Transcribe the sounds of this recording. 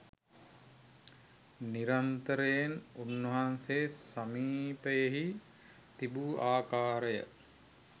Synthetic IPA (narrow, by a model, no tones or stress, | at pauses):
niɾant̪əɾejenunːəɦanseːsamiːpəjeɦi | t̪ibuaːkaːɾəjə̰